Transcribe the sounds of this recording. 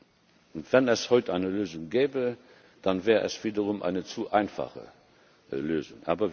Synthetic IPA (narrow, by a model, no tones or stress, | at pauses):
ʊntv̥ɛnɛshɔʏtʔaɪnəløːzʊŋɡɛːbə | d̥anvɛːʁəʔɛ̰sv̥iːdəʁʊmʔa̰ɪnət͡suʔaɪnfa̰χə̰ | løːzʊŋʔa̰ːbɐ